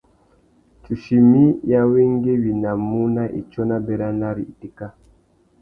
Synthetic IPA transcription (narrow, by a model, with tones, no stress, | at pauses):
t͡ʃu˨ʃi˨mi˦ja˦we˦ŋɡe˦wi˨na˨mu˦na˦ʔḭ˨t͡ʃɔ˦na˦bɛ˨ɾa˦na˦ɾi˨i˨ti˨ka˦